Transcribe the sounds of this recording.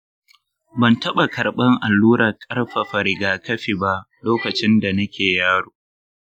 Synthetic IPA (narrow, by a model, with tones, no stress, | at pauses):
bɐ˨ntɐ˦ɓa˨kʰɐ˨ɾɓɐ˦ŋʔa˨lːuː˦ɾɐ˨kʼɐ˦rɸɐ˨ɸɐ˨ɾɪ˨ɡaː˨kɐ˦ɸi˨ba˦ʔ | loː˦kɐ˨t͡ʃɪ˦nda˨nɐ˦kʲeː˨jaː˦ɽoː˨